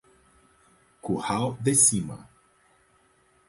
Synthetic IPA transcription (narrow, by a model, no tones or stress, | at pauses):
kuhawd̪esimɐ̰